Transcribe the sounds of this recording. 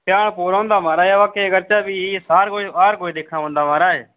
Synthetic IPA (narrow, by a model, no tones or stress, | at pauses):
pɪjaːɳpoːɾõːnd̪aːmaːɾaːɦeːəʋãːkeːɡəɾt͡ʃaːbiːiːsaːɾɡoːʋaːɾɡoːiɗ̪eːkʰnaːʋõːnd̪aːmaːɾaːɦeː